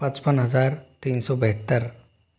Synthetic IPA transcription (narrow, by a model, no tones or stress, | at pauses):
pɐ̃t͡ʃpənɦəzaːɾt̪iːnsɔːbəɦət̪ːəɾ